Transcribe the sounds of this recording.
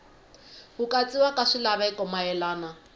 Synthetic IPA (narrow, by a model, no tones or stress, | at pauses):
hʊkʼat͡sʼiwakʼaʂilaβaikʼɔmaɛlaːna